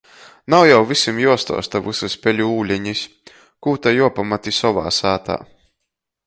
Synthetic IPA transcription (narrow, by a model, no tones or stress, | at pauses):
nawjawvisʲimjuɔst̪ɔ̰ːst̪avɨsɨsʲpʲɛlʲuuːlʲɛɲis | kuːt̪ajuɔpamat̪isɔva̰ːsaːt̪a̰ː